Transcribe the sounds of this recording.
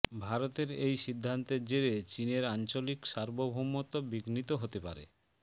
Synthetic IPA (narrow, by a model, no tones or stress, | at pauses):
bʱaɾot̪eɾejʃid̪ʱːant̪eɾd͡ʑeɾet͡ɕineɾant͡ɕolikʃaɾbobʱomːot̪obiɡnit̪oɦot̪epa̰ɾḛ